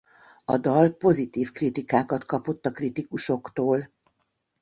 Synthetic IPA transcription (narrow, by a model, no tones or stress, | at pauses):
ɒ̰d̪ɒlpo̞zit̪iːfkrit̪ikaːkɒt̪kɒpo̞t̪ːɒkrit̪ikuʃo̞kt̪oːl